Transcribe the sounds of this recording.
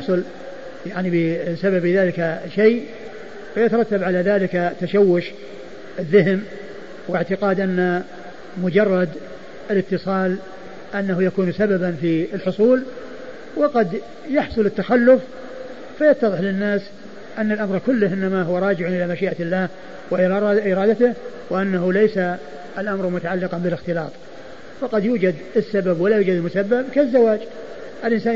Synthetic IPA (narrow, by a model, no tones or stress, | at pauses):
ħsˤʊl | jaʕnibɪsababɪðaːlɪkaʃej | wajat̪ɑɾˤɑt̪ːabʕalaðaːlɪkat̪aʃawːʊʃ | ɪðːɪɦɪm | wɪʕt̪ɪqɑːd̪ʔanːa | mʊd͡ʒɑrˤːɑd̪ | ɪlɪt̪ːɨsˤɑːl | ʔanːahujakuːnsababanfiɪlħʊsˤuːl | wɪqɑd̪ | jɑħsˤʊlɪt̪ːaxalːʊfː | ajɑt̪ːɑðˤɨħlɪnːaːs | ʔanːalʔamɾˤkʊlːʊhʔɪnːamaɦʊwaɾˤɑːd͡ʒɪʕʔɪlamaʃiːʔalːaːh | wɪʔʔɪɾˤɑːd̪at̪ɪh | wɪʔanːaɦulejsaː | lʔamɾˤmʊt̪aʕalːɪqɑnbɪlɪxt̪ɪlɑ̰ːt̪ˤ | faqɑd̪juːd͡ʒad̪ɪsːababwalajuːd͡ʒad̪ɪlmʊsabːab̚kazːawaːd͡ʒ | ʔɪlʔɪnsaː